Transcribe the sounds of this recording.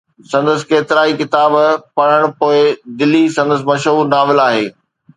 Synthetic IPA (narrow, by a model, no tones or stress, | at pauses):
sɐ̃nd̪əsɪ̥̆keːt̪ɪɾaːikɪt̪aːbpɐɽ̤əɽ̃poːɪd̪ɪlːisɐ̃nd̪əs̬ɪmɐʃɦuːɾnaːʋɪlaːɦeː